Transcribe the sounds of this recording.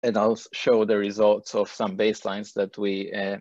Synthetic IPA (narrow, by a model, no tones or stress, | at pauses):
ɛ̃ndaɪlsʃoʊd̪əɹizɔltsɔv̥sãmbeɪslãɪ̃nsðæt̪ʰwiɛ